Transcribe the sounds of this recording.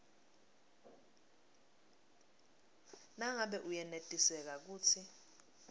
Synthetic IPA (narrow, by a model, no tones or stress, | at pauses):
naŋaɓɛʔujɛnetʼisɛk̬ak̬uːt͡sʰi